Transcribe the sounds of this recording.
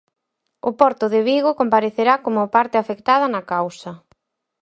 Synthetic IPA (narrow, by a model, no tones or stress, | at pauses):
ʊpɔɾt̪ʊðɪβiɣokompaɾeθeɾakomʊpaɾt̪ɪafekt̪að̞ɐnɐkawsɐ